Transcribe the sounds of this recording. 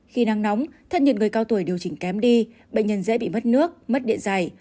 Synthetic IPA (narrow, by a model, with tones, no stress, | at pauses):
xi˧na˧ŋnɔ˨˦wŋ͡mt̪ʰə˦˥t̚ɲə̰˧˨nŋɨ˨˩əjkaː˧wt̪u˧˩jɗi˨˩əwt͡ɕï˧˩ŋ̟kɛ˨˦mɗi˧ | ɓə̰˧˨ŋ̟ɲə˧˩nzḛ˧˥ɓḭ˧˨mə˦˥t̚nɨ˦˥ək̚mə˦˥t̚ɗḭ˧˨ənza˨˩j